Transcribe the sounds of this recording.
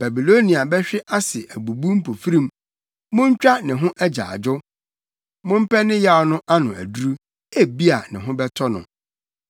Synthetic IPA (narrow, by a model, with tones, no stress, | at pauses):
b̥a˨bi˨lo˦nĩ˨a˨bɛ˦ɕᶣɪ˦ʔa˦sɪ˨ʔæ˨bu˨bu˦m̩˦pʰo˨fi˦ɾĩ˦m | mʊ̃˦ɲ˦t͡ɕᶣa˦nɪ̃˨ɦʊ̃˦ʔæ˦d͡ʑa̰ː˨d͡ʑʊ˦ | mʊ̃˦m̩˦pʰɛ˦nɪ̃˦ja˦˨˦nʊ̃˦ʔa˦nʊ̃˨æ̰˨du˦ɾu˦ | e˦bi˦a˨nɪ̃˨ɦʊ̃˦bɛ˦tʰɔ˦nʊ̰̃˨